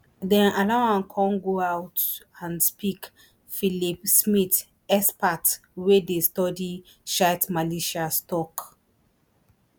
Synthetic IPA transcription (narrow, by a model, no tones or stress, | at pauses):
dɛ̃nʔalaãnkʰɔ̃nɡoawtãnspik | filipsmit | ɛspat | wedestɔdi | ʃaɪtmaleʃastɔk